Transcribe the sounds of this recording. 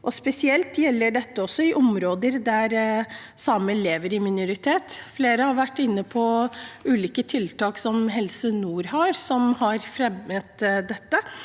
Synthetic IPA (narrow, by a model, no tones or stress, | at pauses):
ʔɔspɛsɪɛlt̪jɛlːəɖɛt̪ːəɔsːɔɪʔɔmɾoːd̪əɾd̪æɾsɑməleːʋəɾɪmɪnʊɾɪt̪ʰeːt̪fleːɾəhɑɾʋæʈːɪnːəpʰɔʉːliːkət̪ʰɪlt̪ɑːksɔmɦɛlsənuːɾhɑɾsɔmhɑɾfɾɛmːət̪d̪ɛt̪ːə